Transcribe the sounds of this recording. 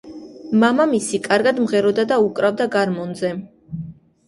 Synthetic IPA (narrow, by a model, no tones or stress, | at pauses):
mamamisikʼaɾɡad̪mʁɛɾɔd̪ad̪aukʼɾavd̪aɡaɾmɔnzɛ